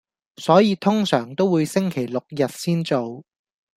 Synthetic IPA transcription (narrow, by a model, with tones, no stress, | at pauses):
sɔː˨˥jiː˨˧t̪ʰʊ˥ŋsœː˨˩ŋt̪o˥wuː˨˧jsɪ˥ŋkʰe˨˩jlʊ˨k̚jɐ˨t̚siː˥nt͡so˨˧w